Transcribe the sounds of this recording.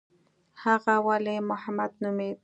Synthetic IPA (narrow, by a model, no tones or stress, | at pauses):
hɑɢɑwalemʊhamad̪̚nʊmɪ